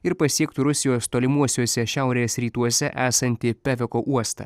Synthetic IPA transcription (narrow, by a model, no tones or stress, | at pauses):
ɪɾpɐsʲiɛkt̪uɾʊsʲɪjoːst̪oːlʲɪmuɔsʲuɔsʲɛʃʲæʊɾʲeːsɾʲiːt̪uɔsʲɛʔæːsɐnʲt̪ʲɪpʲæʋʲɛkoːʔuɔst̪ɐ̰ː